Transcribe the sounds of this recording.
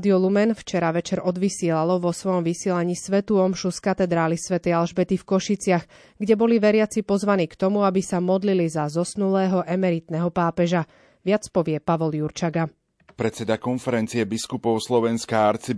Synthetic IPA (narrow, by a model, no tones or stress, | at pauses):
d̪iɔlumɛnft͡ʃɛɾaʋɛt͡ʃɛɾɔd̪ʋisɪɛlalɔʋɔsʋɔjɔmʋisɪɛlaɲiːsʋɛt̪uɔmʃuskat̪ɛd̪ɾaːlisʋɛt̪ɛjalʒbɛt̪ifkɔʃit͡sɪax | ɡɟɛbɔliʋɛɾɪat͡sipɔzʋaniːkt̪ɔmuabisamɔd̪lilizazɔsnulɛːɦɔʔɛmɛɾit̪nɛɦɔpaːpɛʒa | ʋɪat͡spɔʋɪɛpaʋɔljuɾt͡ʃaɡa | pɾɛt̪t͡sɛd̪akɔnfɛɾɛnt͡siɛbiskupɔʊslɔʋɛnskaaɾt͡si